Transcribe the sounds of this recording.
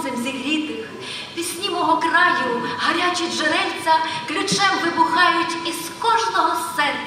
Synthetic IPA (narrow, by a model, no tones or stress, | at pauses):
zɪmzʲiɦɾʲit̪ɪx | pʲisʲnʲimɔɦɔkrɑjʊɦɐɾʲat͡ʃiʒenɛlʲt͡sʲɐklʲʊt͡ʃɛmʋɪbʊxɑjʊtʲiz̥kɔʒnɔɦɔsɛn